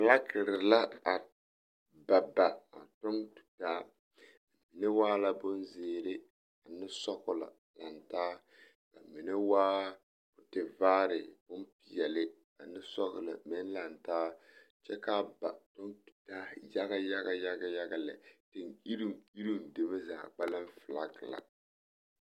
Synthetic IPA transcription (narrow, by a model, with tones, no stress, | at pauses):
ma˨la˦kɪ˨ɾɪ˨la˦a˨ | ba˨ba˨a̰˨tʊ˦ntu̥˨taː˦ | ka˨mi˨ne˦waː˦la˦bʊ˦n˦zeː˦ɾɪ˦ | a˨nɪ˦sɔ˦kʊ˦la̰˨ | la˨ntaː˦ | ka˨mi˨ne˦waː˦ | bʊ˦tɪ˨vaː˦ɾɪ˨bʊ˦n˦pi˨jɛ˨lɪ˦ | a˨nɪ˦sɔ˦ɣʊ˨la̰˨mɛ˦nla˨ntaː˦ | t͡ʃɛ˦ka˦ba̰˨tʊ˦ntu̥˨taː˦ja˦ɡa˦ja˦ɣa˦ja˦ɡa˦ja˦ɡa˨lɛ̰˨tɪ˨ni˦ɾi˦i˦ɾu˦˨n˨de˨me˦za̰ː˨ɡ͡ba˦la˦m˦fɨ˨la˦kɪ˨la̰˨